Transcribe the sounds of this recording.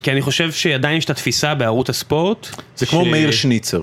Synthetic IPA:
kianiχo̞ʃe̞vʃeadajnjeʃe̥t̪at̪fisabeaʁuthaspo̞ʁtzekmomeiʁʃnit͡seʁ

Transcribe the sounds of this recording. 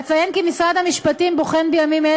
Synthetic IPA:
t͡sajenkimisʁad̪hamiʃpat̪imboχenbejamime

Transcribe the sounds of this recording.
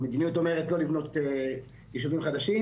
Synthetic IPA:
med̪inijuto̞meʁetlo̞livno̞t̪e | jiʃuvimχad̪aʃi

